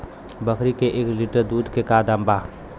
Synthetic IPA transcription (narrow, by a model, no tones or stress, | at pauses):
bəkʰɾikeʔeːkliʈəɾd̪uːd̪ʱkekaːd̪ãmbaː